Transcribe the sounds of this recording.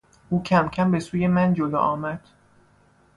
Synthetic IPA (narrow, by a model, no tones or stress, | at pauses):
uːcʰæmcʰæmbe̞suːje̞mænd͡ʒolo̰ːʔɒːmæd̪̥